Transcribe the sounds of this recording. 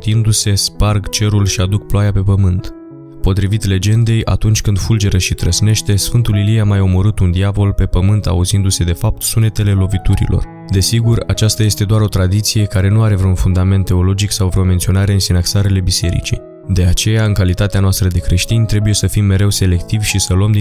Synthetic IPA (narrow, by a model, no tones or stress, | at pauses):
t̪ind̪use̞sparɡt͡ʃe̞ɾulʃiad̪ukploajape̞pəmɨnt̪ | po̞t̪ɾivit̪le̞d͡ʒe̞nd̪e̞jʔa̰t̪unt͡ʃʲkɨnd̪fuld͡ʒe̞ɾəʃit̪ɾəsne̞ʃt̪e̞sfɨnt̪uliliamajo̞mo̞ɾɨt̪und̪iavo̞lpe̞pəmɨnt̪a̰uzind̪use̞d̪e̞fap̚t̪sune̞t̪e̞le̞lo̞vit̪uɾḭlo̞̰r | d̪e̞siɡurat͡ʃast̪aje̞st̪e̞d̪oaɾo̞t̪ɾad̪it̪sije̞kaɾe̞nuaɾe̞vɾeunfund̪ame̞nt̪ːe̞o̞lo̞d͡ʒiksawvɾeo̞me̞nt̪sio̞naɾe̞ɨnsinaksaɾele̞bise̞ɾḭt͡ʃḭ | d̪e̞at͡ʃe̞jaɨŋkalit̪at̪eanoast̪ɾəd̪e̞kɾe̞ʃt̪inʲt̪ɾe̞buje̞səfimːe̞ɾe̞wse̞le̞kt̪ivʲʃisəluəmd̪